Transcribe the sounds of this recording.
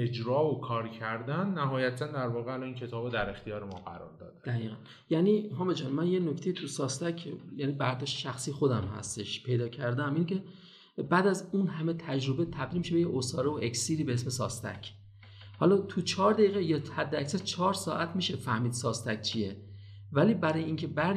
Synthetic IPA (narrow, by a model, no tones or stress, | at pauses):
ed͡ʒɾɒːokʰɒːɾcʰæɾd̪ænːæɦɒːjæt̪ʰænd̪æɾvɒːɣeælɒːiːncʰe̞t̪ʰɒːbod̪æɾe̞xt̪ijɒːɾemɒːɡæɾɒ̰ːɾd̪ɒ̰ːd̪̥æd̪̥æɣiːɣæn | jæniːɦɒːmed͡ʒɒːnmænjenoct̪ejit̪ʰusɒːst̪æcʰjæːnibæɾd̪ɒːʃteʃæxsiːxo̞d̪æmhæ̰st̪e̞ʃpʰe̞jd̪ɒːcʰæɾd̪æmiːncʰe̞ | bæːd̪æzunhæme̞t̪ʰæd͡ʒɾo̞bet̪ʰæbd̪ilmiʃebejeʔosɒːɾevoʔeksiːɾiːbe̞esme̞sɒ̰ːst̪ʰæ̰cʰ | hɒlɒt̪ʰut͡ʃʰɒːɾd̪æiːɣejɒhæd̪ːeæcsæɾt͡ʃʰɒːɾsɒ̰ːʔæt̪ʰmiːʃe̞fæhmiːd̪̥sɒːst̪ʰæk̚t͡ʃʰie̞ | væliːbæɾɒːjeiːncʰe̞bæɾ